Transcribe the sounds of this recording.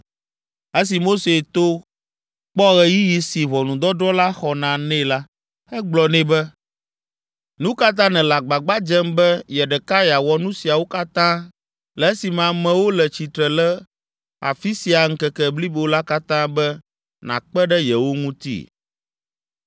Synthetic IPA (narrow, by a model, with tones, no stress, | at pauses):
ɛ˦s̬i˨mo˦se˨t̪o˦ | k͡pɔ˦ɣɛ˨ji˦ji˦si˨βɔ˨nũ˨d̪ɔ˦dɾɔ˦la˦xɔ˨nã˨nɛ̃˦la˦ | ɛ˦ɡ͡blɔ˨nɛ̃˦bɛ˦ | nũ˦ka˦t̪̬ã˦nɛ̃˨la˨ɡ͡ba˨ɡ͡ba˦d͡ʒɛ˦mbɛ˦jɛ˨ɖɛ˨ka˦ja˨wɔ˦nũ˦si˨a˨wo˦ka˦t̪ã˦ | lɛ˨ɛ˦si˨mã˨mɛ̃˨wo˦lɛ˨t͡ɕi˨t̪ɾɛ˨lɛ˦ | a̰˨fi˦si˨a˨ŋ̩˦kɛ˦kɛ˦bli˦bo˨la˦ka˦t̪ã˦bɛ˦ | nã̰˨k͡pɛ˦ɖɛ˦jɛ˨wo˦ŋũ˦t̪ḭ˦